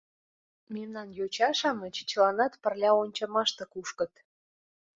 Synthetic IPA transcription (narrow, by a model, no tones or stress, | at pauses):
memnɑnjot͡ɕɑʃɑmət͡ɕt͡ɕlɑnɑt̪pə̆rlʲɑonʲt͡ɕɑmɑʃt̪ɤ̆kuʃkɤ̆t̪